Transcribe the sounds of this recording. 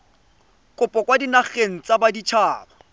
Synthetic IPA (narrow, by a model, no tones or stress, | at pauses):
kʼʊpʼɔkʼwadinaχeŋ̩t͡sʼabadit͡ʃʰaːbɔ